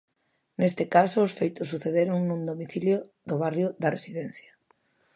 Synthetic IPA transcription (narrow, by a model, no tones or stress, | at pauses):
nest̪ɪkasʊːsfejt̪ʊsːuθeðeɾʊŋnũnd̪omiθiljoðʊβ̞arjʊðɐresiðen̟θjɐ